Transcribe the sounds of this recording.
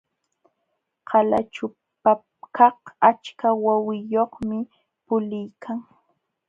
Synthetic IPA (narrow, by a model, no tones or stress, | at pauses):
qʰɑlat͡ʃʊ | pa | kʰɑhat͡ʃkawawɪjoχmɪ | pʊlɪjkʰaŋ